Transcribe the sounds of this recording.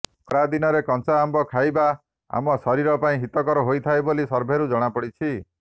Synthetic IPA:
kɾad̪inɔɾekɔnsaːmbɔkʰajba | a̰mɔsɔɾiɾɔpaĩɦit̪ɔkɔɾɔɦojt̪ʰaebolisɔɾbʱeɾud͡ʒɔɽ̃apɔɽit͡ʃʰi

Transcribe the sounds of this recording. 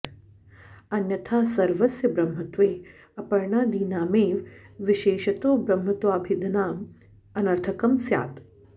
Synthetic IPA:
ɐnjɐt̪ʰaːsɐɾʋɐsjɐbɾɐmɦɐt̪ʋeː | ɐpɐɾɳaːd̪iːnaːmeːʋʋiʃeːʃɐt̪oːbɾɐmɦɐt̪ʋaːbʱid̪naːm | ɐnɐɾt̪ʰɐkɐmsja̰ːt̪

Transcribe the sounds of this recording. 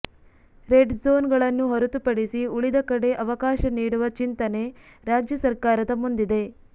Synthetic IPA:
ɾeɖzoːnɡɐɭɐnːuɦɐɾut̪upɐɽisiuɭid̪ɐkɐɽe̞ʔɐʋɐkaːʃɐniːɽuʋɐt͡ʃint̪ɐne̞ | ɾaːd͡ʒjɐsɐɾkaːɾɐd̪ɐmund̪id̪e̞

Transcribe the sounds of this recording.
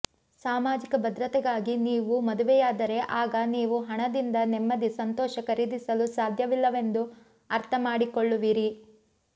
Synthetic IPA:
saːmaːd͡ʒikɐbʱɐd̪ɾɐt̪ɛɡaːɡiniːʋumɐd̪uʋɛjaːd̪ɐɾe̞ʔaːɡɐniːʋuɦɐɳɐd̪ind̪ɐnɛmːɐd̪isɐnt̪ɔːʃɐkɐɾid̪isɐlusaːd̪ʱjɐʋilːɐʋe̞nd̪u | ɐɾt̪ʰɐmaːɽikoɭːuʋiɾi

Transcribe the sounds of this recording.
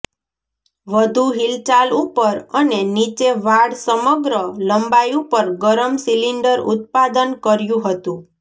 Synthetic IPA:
ʋəd̪ʱũɦilt͡ʃalupəɾənenit͡ʃeʋaɽsəməɡɾələmbajũpəɾɡəɾəmsiliɳɖəɾṵt̪̚pad̪ənkəɾjũɦət̪ũ

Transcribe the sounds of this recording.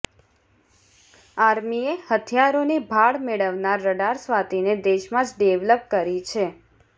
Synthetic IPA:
aɾmiehət̪ʰjaɾonibʱaɽmeɭəʋnaɾːəɖaɾsʋat̪ined̪eʃmãd͡ʒɖeʋləp̚kəɾit͡ʃʰe

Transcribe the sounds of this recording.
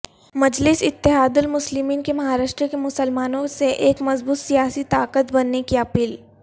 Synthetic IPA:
mɐd͡ʒlɪsɪt̪ːɪɦaːd̪ʊlmʊslɪmiːnkemɐɦaːɾaːʃʈɾəkemʊsəlmaːnõseʔeːkmɐzbuːt̪sijaːsit̪aːkət̪bɐnːekiɐpiːl

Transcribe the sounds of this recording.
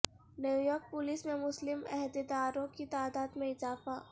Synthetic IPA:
njuːjɔːɾk̚pʊliːsmẽmʊslɪmɛɦd̪ɪd̪aːɾõkit̪aːd̪aːd̪mẽɪzaːfaː

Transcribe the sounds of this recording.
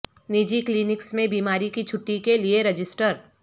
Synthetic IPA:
nid͡ʒikliːnɪksmẽbiːmaːɾikit͡ʃʰʊʈːikelieɾɐd͡ʒɪsʈəɾ

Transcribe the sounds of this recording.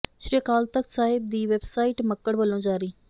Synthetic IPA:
ʃɾiːəkaːlt̪əksaːɪb̚d̪iːʋeːbsaːɪːʈməkːəɽʋəlːõːd͡ʒaːɾiː

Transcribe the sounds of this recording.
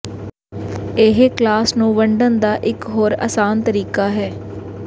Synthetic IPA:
eɦeklaːsnũːʋəɳɖənd̪aːʔɪkɦoːɾə̰saːnt̪əɾiːkaːɦɛː

